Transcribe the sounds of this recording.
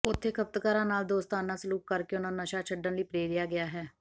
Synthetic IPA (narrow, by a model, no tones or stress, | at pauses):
ʊt̪ʰːeːkʰəp̚t̪kaːɾãːnaːld̪oːst̪aːnaːsəluːkːəɾkeʊnãːnəʃaːt͡ʃʰəɖənliːpɾeːɾɪjaːɡɪjaːɦɛː